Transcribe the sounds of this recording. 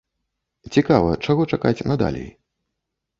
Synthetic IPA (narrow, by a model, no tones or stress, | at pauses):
t͡sʲikavɐt͡ʂaɣɔt͡ʂakat͡sʲnɐd̪a̰lʲḛj